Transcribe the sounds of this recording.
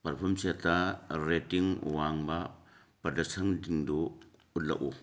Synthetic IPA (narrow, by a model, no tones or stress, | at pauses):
pɐɾpʰɔmsataɾetiŋwaŋbɐ | pɐdɐsɐŋdiŋdu | ut̚lɐ̰ʔu